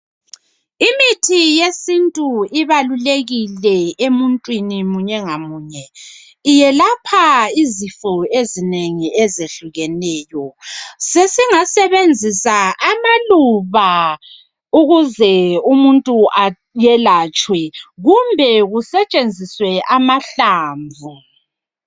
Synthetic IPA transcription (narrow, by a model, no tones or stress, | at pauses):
imitʰijesintʼuiβaluleɣilɛemuntʼwinimuɲɛŋamuːɲɛ | ijɛlapʰaizifɔezineŋiɛzeɬuɣɛnɛːjɔsesiŋasɛβend͡zʱisaamaluβa | uɣuzɛumuntʼuʔa | jɛlaːt͡ʃʼwɛɣumbʱɛɣusɛt͡ʃʼend͡zʱiswɛʔamaɬaːɱvu